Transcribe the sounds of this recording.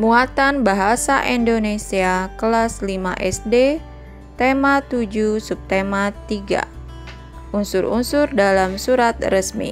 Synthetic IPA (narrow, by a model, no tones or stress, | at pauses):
muat̪anbaɦasa̰ʔindonesiakəlaslimaʔɛsde | t̪emat̪ud͡ʒusup̚t̪emat̪iɡa̰ | ʔunsʊɾṵnsʊrdalamsuɾat̪rəsmḭ